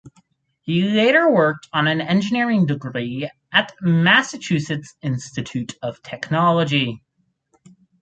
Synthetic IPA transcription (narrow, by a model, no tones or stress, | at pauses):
hileɪɾə˞wɜ˞k̚tʰn̩ɨ̃nɛ̃nd͡ʒɨnɪɹɪ̃ŋdɨɡɹi | ɨtmæsɨt͡ʃʰʉsɨtsɪ̃nstɨtʰʉɾʌv̥tʰɛknɑlˠəd͡ʒi